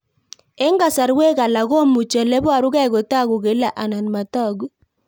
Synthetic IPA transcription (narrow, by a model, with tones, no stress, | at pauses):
e˦ŋɡa˨sa˨ɾwe˦ka˨la˨ɣo˦mu˨t͡ʃɛ˨lɛ˦bwa˨ɾu˦kɛ˦˨ɡo˨ta˦ɡu˨ɡe˨˦la˦˨ʔa˨na˨nma˨tɔ˦˨ɡu˦